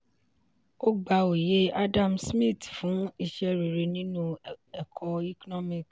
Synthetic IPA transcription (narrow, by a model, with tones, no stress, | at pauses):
o˦ɡ͡ba˧o˨je˦a˦dã˦˨msmĩ˦˨tfũ˨˦i˧ʃɛ˧ɾi˨ɾe˧nĩ˦nũ˦ɛ˨kʰɔ˧i˦kɔ˦nɔ˦mĩ˦˨k